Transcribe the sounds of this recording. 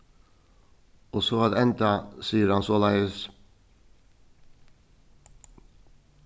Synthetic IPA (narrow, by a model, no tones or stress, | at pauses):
osoːɑːd̪ɛnt̪ɑsiːəɾɑnsoːlɑɪəs